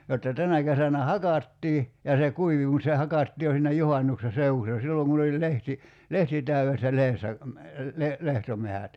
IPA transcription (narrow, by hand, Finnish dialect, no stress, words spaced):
jotːɑ tænæ kesænæ hɑkɑtːiː jɑ se kuiʋi mut se hɑkɑtːiː jo siːnæ juhɑnːukse seuusːɑ silːoŋ kun olʲ lehti lehti tæyesːæ lehesːæ le lehtomehæt